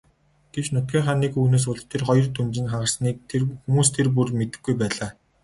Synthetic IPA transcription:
ɡ̥et͡ɕnʊt̪̚ɡʲiːɴχaːniːkuneːs̬ʊɮt̪ʰerχɔjɞ̆rt̪unt͡ɕɪ̆nχaʁə̆rsniːk̚t̪ʰerxumuːst̪ʰerp̬urmet̪ɘ̥̆ɡːujpæːɮaː

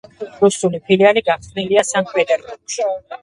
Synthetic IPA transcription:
ɾusulipʰilialiɡaχsniliasamkʰwɛd̪aɾɔʃi

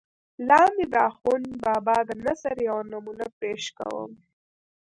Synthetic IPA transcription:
lɑːmid̪ɑːxunbɑːbɑd̪anazaɾjawnamunapeʃka̰wə̰m

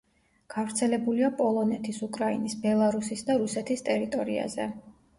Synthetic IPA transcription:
ɡ̥avɾt̪sʰɛlɛbuliapʼɔlˠɔnɛt̪ʰisukʼɾainisbɛlˠaɾusisd̪aɾusɛt̪ʰist̪ʼɛɾit̪ʼɔɾḭa̰zɛ̰

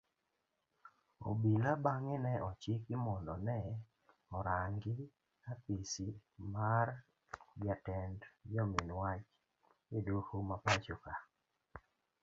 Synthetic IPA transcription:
o̰bilabaŋɪnɛʔɔt͡ʃɪkɪmɔndɔnɛ | ɔɾaŋɡɪ | apisimar | bjatɛndd͡ʒɔminwat͡ʃ | ɪduxumapat͡ʃoka

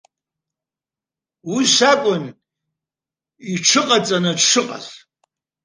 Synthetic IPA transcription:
wiʂʷakʷʼʊn | iʈ͡ʂʰɨqʼat͡sʼanɨʂɨqʼa̰ɬ

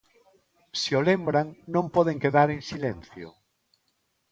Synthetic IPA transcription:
siolembɾaŋnõmpɔð̞eŋkeðaɾẽŋsilen̟θjo̰

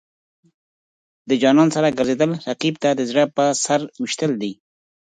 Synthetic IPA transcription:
d̪əd͡ʒɑnɑnsaɾaɡəɾzed̪əlɾaqib̚t̪ad̪əzɽapəsaɾwɪʃt̪əld̪i

